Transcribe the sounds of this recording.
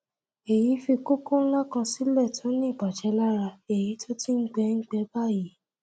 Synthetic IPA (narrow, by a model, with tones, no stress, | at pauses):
e˨ji˨˦fi˧ku˦kõ˦n̩˦la˦kã˧si˦lɛ˦˨tʰɔ̃˨˦nĩ˦˨k͡pa˨t͡ʃɛ˨˦la˦ɾa˧e˨ji˨˦to˦ti˦ŋ̩˦ɡ͡bɛ˧˦ŋ̩˦ɡ͡bɛ˦ba˦˨ji˨˦